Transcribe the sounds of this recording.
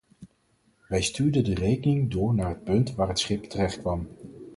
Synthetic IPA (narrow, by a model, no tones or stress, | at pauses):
ʋɛjstyːɹdədərejkənɪŋdʊːɹnaːɹɦət̚pɵntʋaːɹɦətsχɪptərɛχtkʋɑm